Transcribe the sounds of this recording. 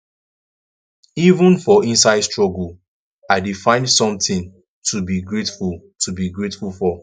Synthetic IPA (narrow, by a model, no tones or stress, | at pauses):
ivə̃nfɔĩnsaɪstɹɔɡəl | aɪdifãɪ̃nsɔ̃mtɪ̃n | tʰubiɡɹetful | tʰubiɡɹetfulfɔ